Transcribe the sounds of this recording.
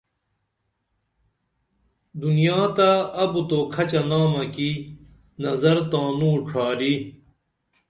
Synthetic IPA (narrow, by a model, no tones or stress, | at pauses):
d̪unijaːt̪aɐbut̪okʰɐt͡ɕɐnaːmɐki | nɐzɐɾt̪ãːnũːʈ͡ʂʰaːɾi